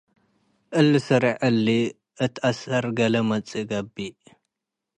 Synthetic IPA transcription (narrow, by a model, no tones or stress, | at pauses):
ʔɨlːɨsɨɾiʕɨlːi | ʔɨt̪ʰasɐɾɡɐlɐmɐt͡sʼiɡɐbːi